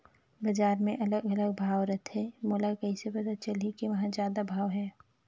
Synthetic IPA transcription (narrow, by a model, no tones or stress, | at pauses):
bɐd͡ʒaːɾmẽʔɐləɡɐləɡ̚bʱaːʋɾɐt̪ʰɦemoːlakɐisepɐd̪at͡ʃɐlikiʋɐɦãzjaːd̪abʱaːʋɦɛː